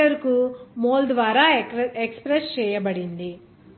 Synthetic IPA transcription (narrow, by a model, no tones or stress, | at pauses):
ɐɾkumoːld̪ʋaːɾaːekspɾest͡ʃɛːjɐbɐɽind̪i